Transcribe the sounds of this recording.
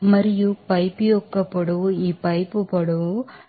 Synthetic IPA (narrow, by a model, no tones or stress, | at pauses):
mɐɾɪjupɐɪpːiɔkːɐpːɐɽɯipːɐɪpːɯpɐɽɯ